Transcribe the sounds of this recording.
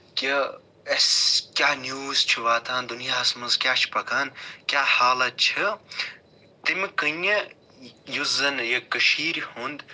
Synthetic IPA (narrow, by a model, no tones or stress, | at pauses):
ki | eskʲjaːnjuːzt͡ʃʰiʋaːt̪ʰãːnd̪unijaːɦɐsmɐnzkʲjaːt͡ʃʰpɐkaːnkʲjaːhaːlɐt̪̚t͡ʃʰi | t̪imkəne | juzɐnjɐkɐʃiːɾhund̪